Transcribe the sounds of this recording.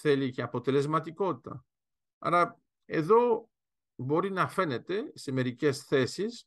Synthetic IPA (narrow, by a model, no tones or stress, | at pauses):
θe̞liceɐpo̞t̪e̞le̞zmɐt̪iko̞t̪i̥t̪ɐ̰ | ɐ̰ɾɐ | e̞ðo̞ | bo̞ɾinɐfe̞ne̞t̪e̞se̞me̞ɾice̞sθe̞sis